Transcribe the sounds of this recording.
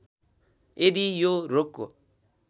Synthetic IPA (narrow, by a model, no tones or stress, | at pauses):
ed̪ijoɾokːo̰